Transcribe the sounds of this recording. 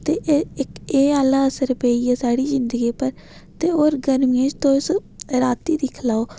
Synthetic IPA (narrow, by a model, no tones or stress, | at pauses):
t̪eːʔɪkeːaːlaːəsəɾpeːiːɛːsaːɽiːzɪnd̪əɡiːpəɾ | t̪eːoːɾɡəɾmɪẽːd͡ʒt̪õːsɾaːt̪iːd̪iːkʰəlaːoː